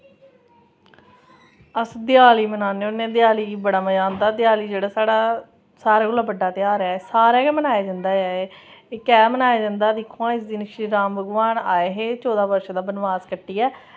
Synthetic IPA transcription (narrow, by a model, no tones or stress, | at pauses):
əsd̪ɪjaːliːmənaːneːʊnːẽːd̪jaːliːbəɽaːməd͡ʒãːnd̪aːd̪ɪjaːliːd͡ʒeːɽaːsaːɽaː | saːɾaːɡʊlaːbəɖːaːt̪ɪaːɾɛːsaːɾɛːkɛmənaːaːd͡ʒãnd̪aːɛː | ɪkɛːmənaːjaːd͡ʒə̃nd̪aːd̪ɪkʰːõãːɪsd̪iːnɪʃiːɾaːmbəɡʋaːnaːeːɦeːt͡ʃɔːd̪aːbəɾʃd̪aːbənʋaːzkəʈːiːɛː